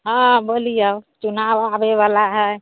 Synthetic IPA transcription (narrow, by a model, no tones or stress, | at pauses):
ɦãbəlijawt͡ʃunawabebalaɦəj